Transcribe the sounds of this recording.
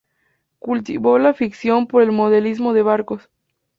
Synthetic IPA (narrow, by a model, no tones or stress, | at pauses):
kult̪iβo̞lafiksjo̞mpo̞ɾe̞lmo̞ð̞elizmo̞ðe̞βaɾko̞s